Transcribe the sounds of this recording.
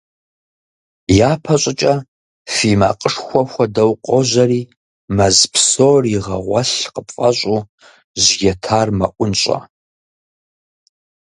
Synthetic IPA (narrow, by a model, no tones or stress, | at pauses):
jaːpʰɐɕʼɪt͡ʃʼɐ | fiːma̰qʼəʂxʷɔxʷɔdɐwqʷʼɔʑɐriː | mɐzpsoːriʁɐʁʷɐɬqəpfʼɐɕʼuː | ʒɡɛtʰaːrmɐʔʷʊnɕʼɐ̰